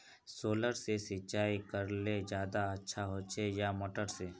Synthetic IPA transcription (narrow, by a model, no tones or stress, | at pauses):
soːləɾsesɪtːt͡ʃaːikəɾled͡ʒjaːd̪aɐtːʃʰaɦoːt͡ʃʰejamoːʈəɾseː